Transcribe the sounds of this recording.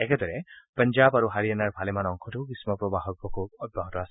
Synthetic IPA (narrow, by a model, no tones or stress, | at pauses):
ɛkɛdɔɹɛpənzabaɹuɦaɹianaɹbʱalɛmanɔŋkʰɔtʊkisimɔpɹɔbaɦɔɹbɔkʰub̚ɔd̚baɦɔtɔas